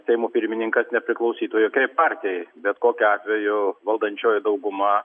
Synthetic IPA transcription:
sʲɛɪmuːpʲɪɾʲmʲɪnʲɪŋkɐsnʲɛpʲɾʲɪklˠɐʊsʲiːt̪oːjokʲɛɪppɑːɾʲt̪ʲɛjbʲɛt̪koːkʲʊɑːt̪ʲʋʲɛjʊʋɐlˠd̪ɐnʲt͡ʃʲoːjɪd̪ɐʊɡʊmɐ

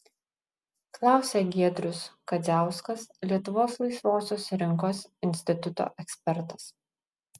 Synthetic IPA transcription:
klˠɑˑʊsʲeɡʲiɛd̪ʲɾʲʊskɐzʲæˑʊskɐslʲiɛt̪ʊʋoːslˠɐɪsʋoːsʲoːsɾʲɪŋkoːsɪnʲsʲt̪ʲɪt̪ʊt̪o̰ːʔɛksʲpʲɛɾt̪ɐ̥s

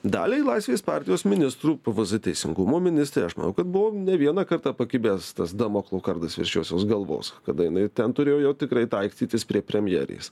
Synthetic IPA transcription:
d̪ɑ̰ːlʲelˠɐɪsʲʋʲeːspɑːɾʲt̪ʲɪjoːsmʲɪnʲɪst̪ɾuːʋʲɪzɨt̪ʲɛɪsʲɪ̰ŋɡʊmoːmʲɪnʲɪst̪ɾʲeɪɐʃmɐ̰nɐʊkɐt̪bʊʋoːnʲɛʋʲiɛnɐːkɐrt̪ɑpɐkʲɪbʲeːst̪ɐsd̪ɐmoːklˠoːkɐrd̪ɐsʋʲɪ̰ɾʲʃʲoːsʲoːsɡɐlˠʋo̰ːskɐd̪ɐjɪnɐɪt̪ʲɛnt̪ʊɾʲeːjoːjɛʊt̪ʲɪkɾɐɪt̪ɐɪkst̪ʲiːt̪ʲɪspʲɾʲiɛpʲɾʲɛmʲjɛ̰ːɾʲḛs

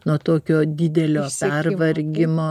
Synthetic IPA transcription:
nuɔt̪oːkʲoːd̪ʲɪd̪ʲɛlʲoːpʲɛrʋɐɾʲɡʲɪmoː

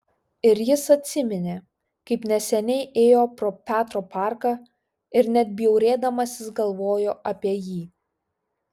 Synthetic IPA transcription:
ɪɾjɪsɐt̪ʲsʲɪmʲɪnʲeː | kɐɪpnʲɛsʲɛnʲɛɪʔeːjoːpɾoːpʲæːt̪ɾoːpɑˑɾkɐː | ɪɾnʲɛd̪̚ʲbʲɪjɛʊɾʲeːd̪ɐmɐsʲɪsɡɐlˠʋoːjoːʔɐpʲiɛjiː

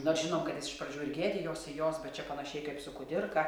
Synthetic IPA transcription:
noːrʒʲɪnoːmkɐt̪jɪsɪʃprɐd͡ʒʲuːɪrɡʲeːdʲɪjoːsɪjoːsbʲɛt̪t͡ʃʲɛpɐnɐʃʲɛɪkɐɪpsʊkʊd̪ʲɪrkɐ

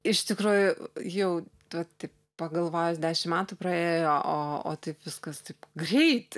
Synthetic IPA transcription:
ɪʃt̪ʲɪkɾuːjʊjɛʊ | ʋɐtt̪ɐɪp | pɐɡɐlˠʋoːjosd̪ʲæːʃʲɪmmʲæːt̪ʊpɾɐeːjoːʔoːo̰ːt̪ɐɪpʋʲɪskɐst̪ɐɪpɡrʲɛɪt̪

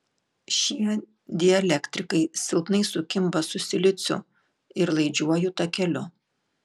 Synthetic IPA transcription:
ʃʲiɛ | d̪ʲɪɛlʲɛkt̪ʲɾʲɪkɐɪsʲɪlˠpnɐɪsʊkʲɪmbɐsʊsʲɪlʲɪt̪sʲʊ̰ | ɪɾlˠɐɪd͡ʒʲuɔjʊt̪ɐkʲɛlʲʊ

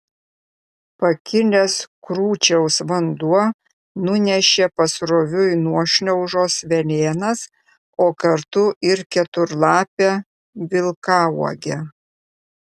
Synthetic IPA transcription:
pɐkʲɪlʲeːskɾuːt͡ʃʲɛʊsʋɐnd̪uɔ | nʊnʲɛʃʲeːpɐsɾoːʋʲʊɪnuɔʃʲnʲɛʊʒoːsʋʲɛlʲeːnɐs | oːkɐɾt̪ʊʔɪɾkʲɛt̪ʊɾlˠɑːpʲɛ | ʋʲɪlˠkɑːuɔɡʲɛ

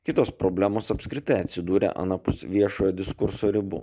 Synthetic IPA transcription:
kʲɪt̪oːspɾɔbʲlʲæːmoːsɐpʲsʲkʲɾʲɪt̪ɐɪɐt̪ʲsʲɪd̪uːɾʲḛʔɐ̰nɐpʊsʋʲiɛʃoːjoːd̪ʲɪskʊɾsoːɾʲɪbṵː

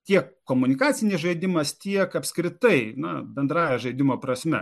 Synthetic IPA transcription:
t̪ʲiɛkːoːmʊnʲɪkɑːt͡s̪ʲɪnʲɪsʒɐɪd̪ʲɪmɐst̪ʲiɛkɐpʲskɾʲɪt̪ɐɪnɐbʲɛnd̪ɾɑːjɛʒɐɪd̪ʲɪmoːpɾɐsʲmʲɛ̰

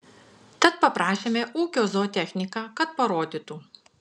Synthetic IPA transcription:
t̪ɐt̪̚pɐpɾɑːʃʲeːmʲeʔuːkʲoːzoːt̪ʲɛxʲnʲɪkɑːkɐt̪̚pɐɾoːd̪ʲit̪uː

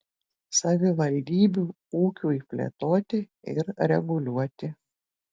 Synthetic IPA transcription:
sɐʋʲɪʋɐlʲd̪ʲiːbʲuː | uːkʲuːipʲlʲḛt̪oːt̪ʲɪ | ɪ̰ɾɾʲɛɡʊlʲuɔt̪ʲɪ

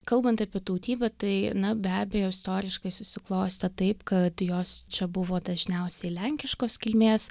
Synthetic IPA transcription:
kɐlˠbɐnt̪ɐpʲiɛt̪ɐʊt̪ʲiːbɐt̪ɐɪnɐbʲæːbʲejoɪst̪oːɾʲɪʃkɐɪsʊsʲɪklˠoːsʲt̪ʲɐt̪ɐɪpkɐt̪joːst͡ʃʲɛbʊʋoːd̪ɐʒʲnʲɛʊsʲɛɪlʲɛŋʲkʲɪʃkoːskʲɪlʲmʲeːs

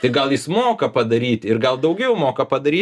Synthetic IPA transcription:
t̪ʲɐɪɡɐlˠjɪsmoːkɐpɐd̪ɐɾʲiːt̪ʲɪrɡɐlˠd̪ɐʊɡʲɛʊmoːkɐpɐd̪ɐɾʲiː

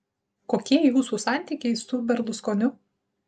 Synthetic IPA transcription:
koːkʲiɛjuːsuːsɑˑnʲt̪ʲiˑkʲɛɪsʊbʲɛɾlˠʊskoːnʲʊ

